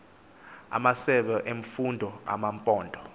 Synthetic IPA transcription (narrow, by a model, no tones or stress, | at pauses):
a̰masɛɓɛʔeɱ̩fundʱɔa̰mampʼɔːndʱɔ